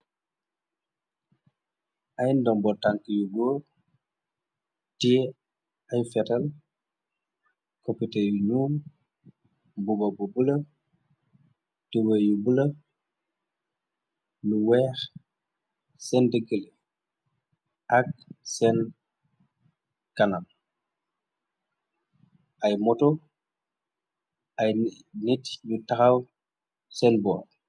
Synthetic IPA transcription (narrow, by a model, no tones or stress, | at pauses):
ʔajndɔmbɔtaŋkəjuɡoː | ti | ɐjfɛtɐl | kɔpitɛjunuːm | bubɐbubulɐ | tiwɛjubulə | luwɛːx | sɛndəɡələ | ʔɐk̚sɛn | kɐnan | ʔɐjmɔtɔ | ɐj | nitjutɐxɐw | sɛnbɔː